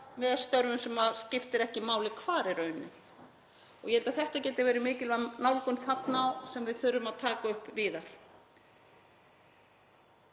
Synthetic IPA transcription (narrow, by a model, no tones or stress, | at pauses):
mɛðast̪œɾvʏmsɛmascɪft̪ɪɾɛhcɪmaːwlɪkʰvaːɾɪɾœːɥnːɪ̰ | ɔɣjɛhɛlt̪aθɛht̪acɛːt̪avɛːɾɪmɪːcɪlvanawlkʏnθat̪nawsɛmvɪðθʏɾʏmaðt̪ʰaːkaʏhpviːðaɾ̥